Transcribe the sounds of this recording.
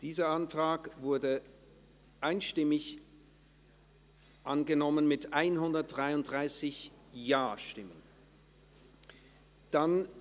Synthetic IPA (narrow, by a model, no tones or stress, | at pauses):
d̥iːzɐʔantʁ̥aːkvʊɐdə | ʔaɪnʃtɪmɪç | ʔanɡənɔmənmɪtʔaɪnɦʊndɐt̚d̥ʁaɪʊndʁaɪsɪç | jaːɐʃtɪmən | d̥an